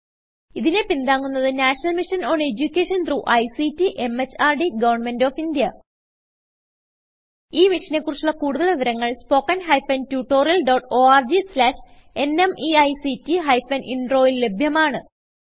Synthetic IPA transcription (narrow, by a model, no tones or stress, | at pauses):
iðinepind̪aːŋːunːɐðɨnaːʂnɐlmiʂɐnoːɳe̞d͡ʑukʲːeːʂɐnt̪ruːʔɐjsitːiʔe̞met͡ɕːaːrɖiɡɐʋɐrɳme̞ndo̞ːfind̪jɐ | iːmiʂɐnekːurut͡ɕːulɭːɐkuːɽuðɐɭʋiʋɐɾɐŋːɐɭspo̞ːkːɐnɦɐjfɐntjuːʈːo̞ːriɐlɖoːʈːoːaːrd͡ʑislaːʂ | e̞nemiɐjsitːiɦɐjfɐnʔiɳɖro̞ːjillebʱjɐmaːɳɨ